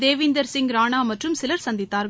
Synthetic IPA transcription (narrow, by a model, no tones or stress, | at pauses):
d̪eːʋɪnd̪ɐɾsɪŋɡɾaːnaːmɐʈrɯmsɪlɐɾsɐnd̪ɪt̪ːaːɾ